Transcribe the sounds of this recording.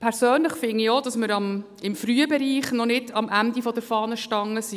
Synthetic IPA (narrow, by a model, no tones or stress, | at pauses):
pʰɛɾsøːnləχfɪniod̥ɑsməɾɑm | ɪmfɾyəbɛɾiːχnɔnɪdɑmʔændifɔd̥̪əɾfɑːnəʃtɑŋːəsi